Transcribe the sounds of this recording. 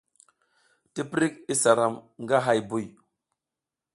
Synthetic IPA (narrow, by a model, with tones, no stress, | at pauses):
ti˦pɾi˦k̚i˦sa˨ɾa˨mŋɡa˦ɦa˨jbu˦˨j